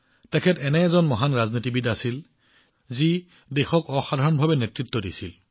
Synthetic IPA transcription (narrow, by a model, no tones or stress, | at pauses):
tɛkʰɛtɛnɛːzɔnmɔɦanɹaznitibidasil | zi | dexɔkɔxadʱaɹɔnbʱabɛnetɹit̪ːɔdisil